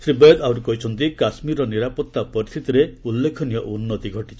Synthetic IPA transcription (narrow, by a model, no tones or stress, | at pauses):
sɾibɔjɔd̪awɾukɔɦit͡ʃʰɔnt̪ikasmiɾɔniɾapɔt̪ːapɔɾist̪ʰit̪iɾeulːekʰɔnijɔʔunːɔt̪iɡʱɔʈit͡ʃʰi̥